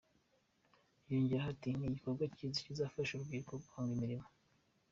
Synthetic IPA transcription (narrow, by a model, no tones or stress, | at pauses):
joɲɟiɾaɦatiniɟikoɾɡwacizacizaːfaʃuɾuɡɡiːɾkoɡaːŋɡimiɾimo